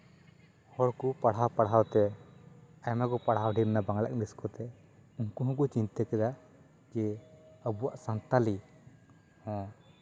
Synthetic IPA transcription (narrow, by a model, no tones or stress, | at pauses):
hɔɽkupaɽɦawpaɽɦawt̪ɛ | ajmaɡɔpaɽ̤ɦawɖiɾnabaŋla̰kniskɔt̪ɛ | ũŋkuɦɔ̃kɔt͡ʃint̪akɛd̪a | d͡ʒɛəbuwaʔsant̪ali | hɔ̃